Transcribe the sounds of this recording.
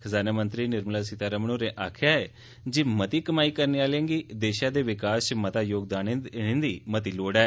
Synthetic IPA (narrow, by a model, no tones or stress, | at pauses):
kʰəzaːnaːmənt̪ɾiːnɪɾməlaːsɪt̪aːɾəmənoːɾẽːʔaːkʰɪjaːeː | d͡ʒimət̪iːkəmaːiːkəɾneːaːlẽːŋɡiːd̪eːʃãːd̪eːʋɪkaːst͡ʃmət̪aːjoːɡd̪aːnɪ̃nd̪iːmət̪iːloːɽɛː